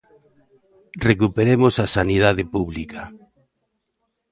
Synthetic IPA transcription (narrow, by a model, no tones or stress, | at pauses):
rekupeɾemosasaniðaðɪpuβlikʰa